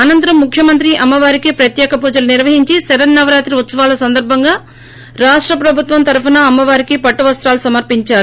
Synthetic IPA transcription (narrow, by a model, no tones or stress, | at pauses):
ɐnɐnt̪ɐɾɐmːukʰjɐmɐnt̪ɾiʔɐmːɐʋaːɾikipɾɐt̪jɛːkɐpuːd͡ʒɐlɐniɾʋɐɦiɲt͡ʃisɛɾɐnːɐʋɐɾaːt̪ɾiut̪sɐʋaːlɐsɐnd̪ɐɾbʱɐŋɡaː | ɾaːʂʈɾɐpɾɐbʱut̪ʋɐmt̪ɐɾpʰɐnɐːmːɐʋaːɾikipɐʈːuʋɐst̪ɾaːlusɐmɐɾpiɲt͡ʃaːɾu